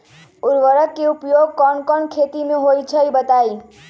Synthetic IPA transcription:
uɾʋəɾəkːeupjoɡ̚kɔnkɔɳkʰet̪imeɦojt͡ʃʰəjbət̪aj

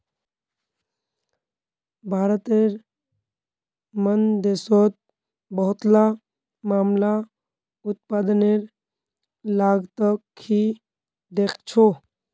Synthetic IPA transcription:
bʱaːɾət̪eɾ | mənd̪esot̪̚ | bəɦʊt̪la | mamla | ut̪̚pad̪əneɾ | laɡt̪əkʰːi | d̪ekʰt͡ʃʰo

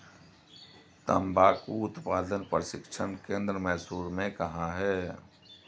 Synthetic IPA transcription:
t̪ə̰mbʱaːkuʊt̪paːd̪ənpɾəsɪkʃʰənkẽːnd̪ɾəmɛɦsuːɾmẽkɐɦãɦɛː

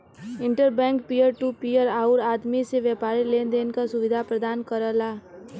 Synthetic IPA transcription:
ɪ̃ɳʈəɾbɛ̃ːŋkpijəɾʈuːpiːəɾaːʊɾaːd̪miseʋjəpaːɾileːnd̪eːnkasʊʋɪd̪ʱapɾəd̪aːnkəɾəlaː

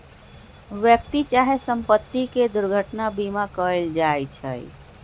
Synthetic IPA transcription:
ʋjək̚t̪it͡ʃaɦesəmpət̪ːiked̪uɾɡʱəʈnabimakəld͡ʒajt͡ʃʰə̰j

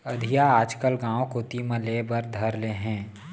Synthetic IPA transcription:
əd̪ʱijaaːd͡ʒkəlɡãːwokot̪imə̃leːbəɾd̪ʱɐɾleɦɛ̃ː

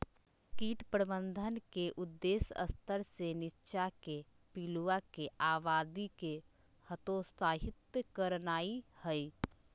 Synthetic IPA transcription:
kiːʈpɾəbənd̪ʱənkeʔʊd̪ːeːsə̰st̪ʰəɾsenɪtːʃake | piluakeʔaːʋaːd̪ike | hət̪ost̪aːɦɪt̪kəɾnaːihəi

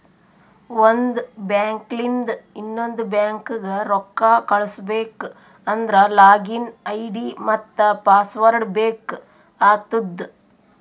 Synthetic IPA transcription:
ond̪bjaːŋklind̪inːond̪ubjaːŋkɡeɾɔkːaːkɐɭusbeːk | ɐnd̪ɾɐlaːɡinɐjɖimɐt̪ːɐpaːsʋɐɾɖbeːk | aːt̪ud̪

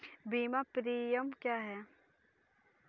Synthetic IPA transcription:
biːmapɾiːjəmkjaːɦɛː

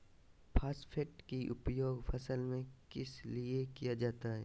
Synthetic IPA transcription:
pʰaːspʰeʈkiʔʊpjoːɡfʰɐsəlmẽkɪsliekijad͡ʒaːt̪aɦɛː

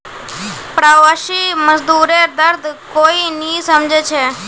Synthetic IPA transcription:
pɾaːʋaːʃiːməzd̪uːɾeːɾd̪əɾd̪ʱkoːinĩːsəmd͡ʒʱet͡ʃʰeː

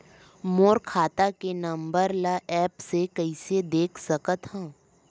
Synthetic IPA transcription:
moːɾkʰaːt̪akenɐ̃mbəɾlaʔɛːpsekəɪsed̪eːkʰsɐkət̪ɦãː

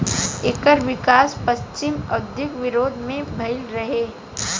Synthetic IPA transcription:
eːkəɾʋɪkaːspɐst͡ʃɪmɐɡ̚d̪ɪkʋɪɾoːd̪ʱmẽbʱɐɪlɾɐɦeː

